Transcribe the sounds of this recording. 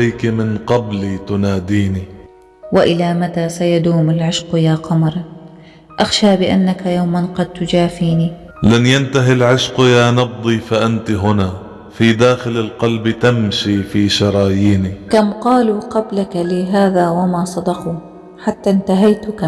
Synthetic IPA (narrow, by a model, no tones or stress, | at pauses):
ajkmɪnqɑblit̪ʊnaːd̪iːni | wɪʔɪlamat̪asajad̪uːmɪlʕɪʃqjaːqɑmɾˤ | ʔaxʃaːbɪʔanːakajawmanqɑd̪̚t̪ʊd͡ʒaːfiːni | lanjant̪aɦilʕɪʃqjaːnɑb̚d̪ˤifaʔant̪ɦʊna | fid̪aːxɪlalqɑlbt̪amʃifiːʃɑɾˤɑːjiːnikamqɑːluqɑblakalɪɦaːðaːwamasˤɑd̪ɑqu | ħat̪ːant̪aɦajt̪ʊka